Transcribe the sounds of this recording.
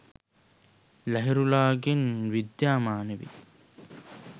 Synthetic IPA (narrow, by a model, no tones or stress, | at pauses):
læɦiɾulaːɡenʋid̪jaːmaːneʋḭ